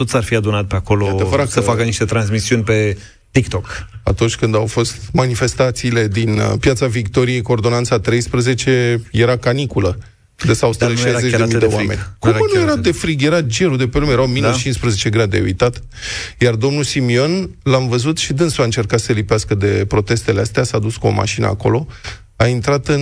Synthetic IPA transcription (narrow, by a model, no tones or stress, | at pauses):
t̪o̞t̪sarfiad̪unat̪̚peako̞loevəɾasəfakəniʃt̪e̞t̪ɾans̬misiunʲpe̞ | t̪ikt̪oka̰t̪unt͡ʃʲkɨnd̪awfo̞st̪manife̞st̪at̪siːle̞d̪inpjat̪savikt̪o̞ɾije̞jkuoːrd̪o̞nant̪sat̪ɾe̞jspɾəze̞t͡ʃe̞je̞ɾakanikulə | d̪əsawst̪eeʃajzet͡ʃd̪mid̪ewamenʲkuanujeɾad̪e̞fɾiɡjeɾad͡ʒe̞ɾud̪e̞pelumejɾawminut͡ʃinspɾəze̞t͡ʃe̞ɡɾad̪ḛṵjt̪at̪ | jard̪o̞mnulsimio̞nlamvəzut̪ʃid̪ɨnsuaɨnt͡ʃe̞rkat̪səlipeaskəd̪e̞pɾo̞t̪e̞st̪e̞least̪easad̪uskuo̰ma̰ʃinə̰a̰ko̞̰lo̞ | aint̪ɾat̪ɨn